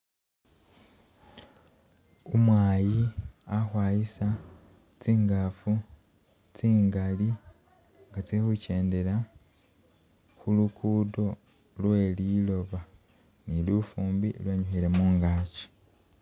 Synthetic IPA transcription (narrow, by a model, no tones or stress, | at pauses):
umwaːjiaxwaːjisa | t͡siːŋɡafu | t͡siːŋɡali | ŋɡat͡sexuce̞ːnde̞la | xulukʰudo̞ | lwe̞ːlilo̞βa | nilufuːmbilweːɲuxile̞muːŋɡaːci̥